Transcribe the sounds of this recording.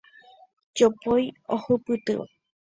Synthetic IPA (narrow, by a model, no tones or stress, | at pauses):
d͡ʒopojohɨpɨt̪ɨ̰ʋa̰